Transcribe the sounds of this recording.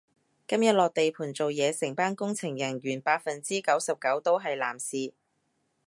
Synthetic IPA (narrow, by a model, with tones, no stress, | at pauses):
kɐ˥mjɐ˨t̚lɔː˨k̚t̪e˨jpʰuː˨˩nt͡so˨wjɛː˨˧sɪ˨˩ŋpaː˥nkʊ˥ŋt͡sʰɪ˨˩ŋjɐ˨˩njyː˨˩npaː˧t̚fɐ˨nt͡siː˥kɐ˨˥wsɐ˨p̚kɐ˨˥wt̪o˥wɦɐ˨jla̰ː˨˩msiː˨˧